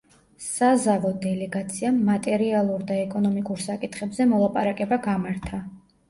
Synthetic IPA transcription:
sazavɔd̪ɛlɛɡat̪sʰiamːat̪ʼɛɾialˠuɾd̪aɛkʼɔnɔmikʼuɾsakʼit̪ʰχɛbzɛmɔlˠapʼaɾakʼɛbaɡamaɾt̪ʰa

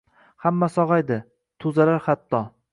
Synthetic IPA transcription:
hamːasɒʁajd̪ɪ | t̪ʰʊzalaɾχat̪ʰːɒ

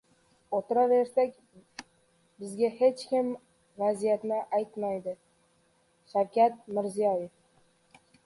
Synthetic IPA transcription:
ot̪ʰɪɾaɾeɾsakʲ | bɪzɡʲahet͡ʃkʲɪm | vazijat̪nɪʔajt̪majd̪ɪ | ʃawkʲat̪mɪɾzijɒjef

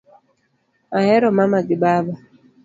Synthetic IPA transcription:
aɦɛɾɔmamaɡɪbaba

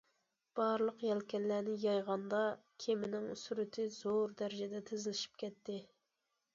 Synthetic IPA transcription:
b̥ɑɾlˠəqjɛlkʲʰɛnlænɪjɑjʁɑnd̪ɑkʲʰemɪnɪŋysyɾɪt̪ʰɪzoɾd̪æɾɪd͡ʒɛd̪ɛt̪ʰezɪlɪʃi̥p̚kʲɛt̪ːɪ

